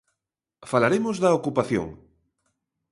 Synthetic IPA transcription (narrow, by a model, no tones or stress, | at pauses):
falaɾemozðɐokupaθjo̰ŋ